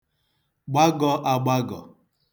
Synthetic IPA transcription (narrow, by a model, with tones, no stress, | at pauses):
ɡ͡ba˦ɡɔ˦ʔa˨ɡ͡ba˦ɡɔ̰˨